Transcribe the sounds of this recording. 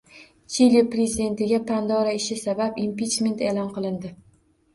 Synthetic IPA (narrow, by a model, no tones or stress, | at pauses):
t͡ʃʰiliopɾezid̪e̞nt̪ɪɡʲapʰand̪ɒɾaɪʃɪsabapimpit͡ʃme̞nt̪e̞lˠɒnqɨlˠɪnd̪ɪ